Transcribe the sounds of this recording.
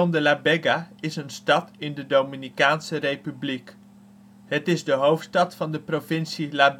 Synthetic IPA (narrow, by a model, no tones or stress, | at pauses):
ɔndəlabɛɡaɪsənstɑtɪndədowminikaːnsərejpyblik | ɦətɪzdəɦowftstɑtfɑndəprovɪnsilab